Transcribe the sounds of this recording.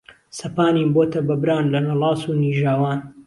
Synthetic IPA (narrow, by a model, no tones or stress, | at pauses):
sɐpaːninboːt̪ʰɐbɐbɾaːnlɐnɐlˠɑːsuːniːʒaːwaːn